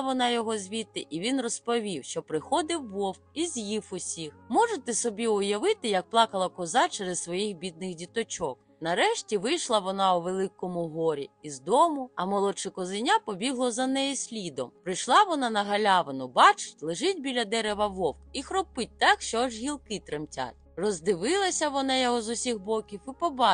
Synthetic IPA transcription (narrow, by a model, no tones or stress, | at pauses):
ʋɔnɑjɔɦɔzʲʋʲit̪ːɪʔiʋʲinrɔspɔʋʲiwʃt͡ʃɔpɾɪxɔd̪ɪwːɔwk̚izʲjifʊsʲixmɔʒet̪ɛsɔbʲiʊjɐʋɪt̪ɪjɐk̚plˠɑkɐlˠɐkɔzɑt͡ʃɛɾɛssʋɔjixbʲid̪̚nɪxdʲit̪ɔt͡ʃɔk | nɐɾɛʃtʲiʋɪjʃlˠɐʋɔnɑʊʋelˠɪkːɔmʊɦɔɾʲḭizd̪ɔmʊɐmɔlˠɔt͡ʃɛkɔzɪnʲapɔbʲiɦlˠɔzɐnɛjɛsʲlʲid̪ɔmpɾɪjʃlˠɑʋɔnɑnɐɦɐlʲaʋɐnʊbɑt͡ʃɪ̥tʲlˠɪʒɪtʲbʲilʲɐd̪ɛɾeʋɐʋɔwkixɾɔpɪt̚ʲt̪ɑkʃt͡ʃɔɔʒɣʲilˠkɪt̪ɾɪmtʲa̰tʲ | rɔzd̪ɪʋɪlˠɐsʲɐʋɔnɑjɔɦɔzʊsʲixbɔkʲiwipɔbɑ